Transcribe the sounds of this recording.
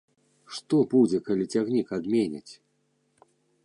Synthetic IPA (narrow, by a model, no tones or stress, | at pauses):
ʂt̪ɔbud͡zʲɛkalʲit͡sʲaɣnʲikad̪mʲenʲa̰t͡sʲ